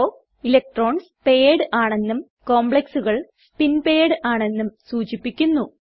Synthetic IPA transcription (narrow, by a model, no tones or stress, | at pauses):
o | ilek̚ʈro̞ːɳspe̞ːɽɨʔaːɳe̞nːum | ko̞ːmbɭeksuɣɐɭ | spinpe̞ːɽɨʔaːɳe̞nːumsuːt͡ɕipːikʲːunːu